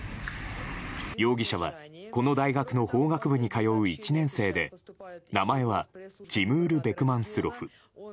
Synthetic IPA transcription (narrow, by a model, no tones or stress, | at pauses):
jo̞ːɡʲiɕaβa̰ko̞no̞d̪aiɡakɯ̟no̞ho̞ːɡakɯ̟bɯ̟ɲ̟ikajo̞ɯ̟it͡ɕinẽ̞ɰ̃se̞ːd̪e̞namae̞βad͡ʑimɯ̟ːɾɯ̟be̞kɯ̟mãɰ̃sɨɾo̞ɸɯ̟